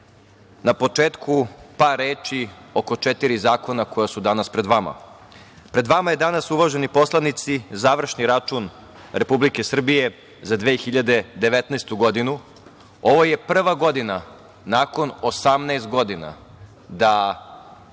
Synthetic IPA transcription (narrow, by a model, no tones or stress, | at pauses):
napo̞t͡ʃeːt̪kʰupaɾeːt͡ʃioko̞t͡ʃet̪iɾizaːko̞nako̞jasud̪anaspɾed̪ʋama̰ | pɾe̞d̪ʋamaje̞d̪anasuʋaʒenipo̞slˠanit̪sizaːʋr̩ʃniɾat͡ʃun | ɾe̞publike̞sr̩bije̞ | zad̪ʋeːxiʎad̪e̞d̪e̞ʋet̪naːst̪uɡo̞d̪inu | o̞ʋo̞je̞pr̩ʋaɡo̞d̪ina | naːko̞nosamnɛːst̪̚ɡo̞d̪ina̰ | d̪a